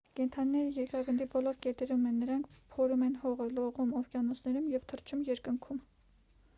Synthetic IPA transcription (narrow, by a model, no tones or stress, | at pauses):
kɛnt̪ʰɑninɛɾəjɛɾkɑɡənd̪ibɔlɔɾkɛt̪ɛɾumɛnːəɾɑŋkʰpʰɔɾumɛnhɔʁəlɔʁumɔvkjɑnɔsʰnɛɾumjɛvt̪ʰəɾt͡ʃʰumjɛɾkəŋkʰum